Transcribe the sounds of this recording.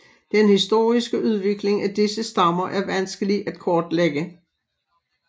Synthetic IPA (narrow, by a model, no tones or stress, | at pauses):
d̥eenhisd̥o̝̰ːisɡ̥əuð̞ˠʋe̝ɡ̥le̝ŋæd̥isəsd̥ɑ̈mɐʔæɐʋænsɡ̥əliʔæd̥̚kʰɒːd̥leɡ̥ə